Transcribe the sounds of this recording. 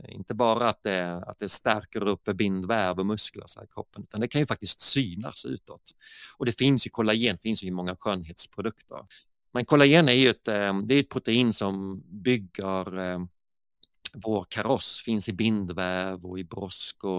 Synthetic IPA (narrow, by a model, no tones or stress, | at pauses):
ɪ̰nt̪əbɑːɾaːt̪̚d̪ɛa̰t̪̚d̪ɛst̪æɾkəɾɵpːbɪnd̪væɾvɔmɵskla̰ɾʂɛ̰kʰɾɔ̰pːənʉ̟ːt̪and̪ɛkʰanjɵfak̚t̪ɪst̪syːna̰sʉ̟̰ːt̪ɔt̪ɔd̪ɛfɪnsjɵkʰɔlːaɪjeːnfɪnsjɵjɵmɔŋːaɧøːnɦeːt̪spʰɾʊd̪ɵkt̪ʰə̰ɾ | mɛnkʰɔlːaɾɪjeːnæɾjɵɛt̪d̪ɛæjɛt̪̚pʰɾʊt̪ɛiːnsɔmbʏɡːəɾ | voːɾkʰaɾɔsfɪnsɪbɪnd̪væɾvɔɪbɾɔskɔ